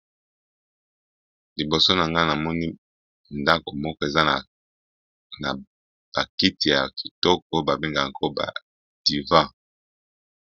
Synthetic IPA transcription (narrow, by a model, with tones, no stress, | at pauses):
li˨bo˨so˦na˨ŋɡa˦na˨mɔ˦ni˦ | nda˦ko˨mɔ˦kɔ˦e˨za˦˨ | na̰˨ | b̥a˨ki˦ti˨ja̰˨ki̥˨tɔ˦kɔ˨o˦ba˨be˦ŋɡa˨ko˦ba̰˨ | d̥i˨vã˦